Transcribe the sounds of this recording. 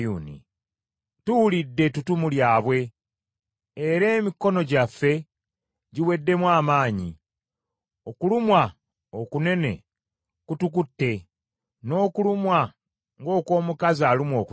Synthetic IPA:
uːnḭ | tuwulidːe̞tutumuljaːβwe̞ | ɾe̞ːmikːo̞no̞ɟafːe̞ | ɟiwe̞dːe̞mwaːmaːɲi | o̞kulumwa | okune̞ne̞̰ | kutukutːe̞ | no̞ːkulumwa | ŋɡo̞ːko̞ːmukaziaːlimwo̞ːku

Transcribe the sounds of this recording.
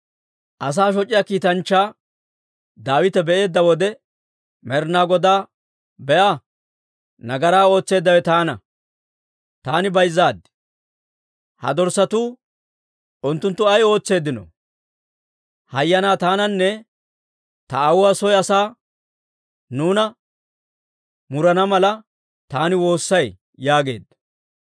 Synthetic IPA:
ʔɐs̬aːʃ̬ɔt͡ʃʼːɪjaːkiːt̪ɐnt͡ʃːaː | d̪aːwɪt̪ɛbɛʔe̞ːd̪ːɐwɔd̪ɛ | mɛɾnaːɡɔd̪aː | bɛʔaː | nɐɡɐɾaːo̞ːt͡sːe̞ːd̪ːɐwɛt̪aːnɐ̰ | t̪aːnɪbɐjzːaːd̪ɪ | hɐ̰d̪ɔɾsɐt̪uː | ʊnt̪ːʊnt̪ːʊɐjo̞ːt͡sːe̞ːd̪ːɪnɔ̰ | hɐjːɐnaːt̪aːnɐnːɛ | t̪ɐːwʊwaːsɔjɐsaː | nuːnɐ | mʊɾɐnɐmɐlɐ | t̪aːnɪwo̞ːsːɐj | jaːɡe̞̰ːd̪ɐ

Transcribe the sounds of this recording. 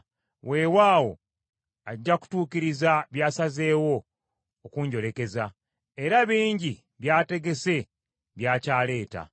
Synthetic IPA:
wʔe̞ːwaːwo̞̰ | aɟːaku̥tuːkiɾizaβjaːsaze̞ːwo̞ː | kuːɲɟo̞le̞ke̞za | e̞ɾaβiːɲɟi | βjaːte̞ɡe̞se̞ | βjaːcaːle̞ːta̰

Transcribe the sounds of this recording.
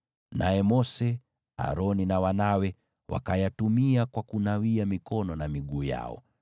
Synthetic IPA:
najɛmɔsɛ | a̰ɾɔninawanawɛ | wa̰kajatumiakwakunawiamikɔnɔnamiɠuːja̰ɔ̰

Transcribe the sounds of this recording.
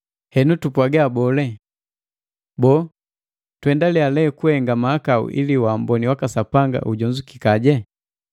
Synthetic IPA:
hɛnutupwaɡaːbɔlɛ | bɔː | twɛndalialɛkuhɛŋɡamaːkaṵʔḭliwaːmbɔniwakasapaŋɡa̰ʔuɟɔɲd͡ʒuki̥kaɟɛ

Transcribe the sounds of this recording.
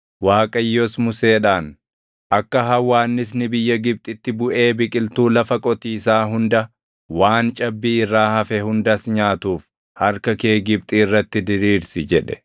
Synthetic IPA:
waːkʼɐjːɔsmʊseːᶑaːn | ʔɐkːɐɦɐwːaːnːɪs̬nɪbɪjːɐɡɪb̚t̪ʼɪt̪ːɪbʊʔe̞ːbɪkʼɪlt̪uːlɐfɐkʼɔt̪iːsaːɦʊnd̪ɐ | waːnt͡ʃʼɐbːiːɪrːaːhɐfɛhʊnd̪ɐsɲaːt̪uːf | hɐɾkɐke̞ːɡɪb̚t̪ʼiːɪrːɐt̪ːɪd̪ɪɾiːɾsɪd͡ʒɛᶑɛ̥

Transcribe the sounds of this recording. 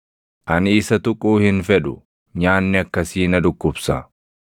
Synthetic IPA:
ʔɐnɪːsɐt̪ʊkʼuːhɪnfɛᶑʊ | ɲaːnːɪɐkːɐsiːnɐd̪ʊkːʊbsɐ

